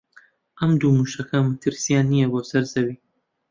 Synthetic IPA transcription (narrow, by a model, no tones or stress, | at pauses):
ʔɐmd̪umuːʃɐkʰɐmɐt̪ʰɨɾsijaːnːijɐboːsɐɾzɐwiː